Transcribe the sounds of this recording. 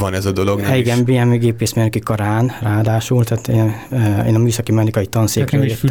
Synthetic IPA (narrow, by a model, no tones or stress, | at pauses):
vɒnɛzɒd̪o̞lo̞ɡniɡɛnbeːɛmeɡeːpeːsmenøkikɒɾaːnraːd̪aːʃult̪at̪ḛːnḛːnɒmyːsɒkimɛnikɒjit̪ɒnseːkrøːljet̪ː